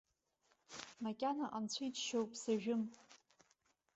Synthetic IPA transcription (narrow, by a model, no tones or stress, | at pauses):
makʲʼanaʔant͡ɕʷʰijt͡ʃʃowpʼʰsaʒᶣʊm